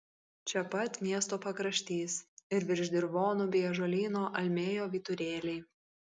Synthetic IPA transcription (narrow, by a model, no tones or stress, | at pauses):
t͡ʃʲɛpɐt̪ʲmʲiɛst̪oːpɐkɾɐʃʲt̪ʲiːsɪɾʋʲɪɾʲʒʲd̪ʲɪɾʋoːnʊbʲiɛʒoːlʲiːnoːʔɐlʲmʲeːjoːʋʲiːt̪ʊɾʲeːlʲɛɪ